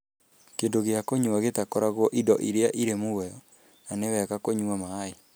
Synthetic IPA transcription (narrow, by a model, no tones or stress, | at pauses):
kendoɣeakoɲuaɣetakoɾaɣwɔʔidɔʔiɾeaʔiɾemuwɛjɔ | nanewɛɣakoɲuamae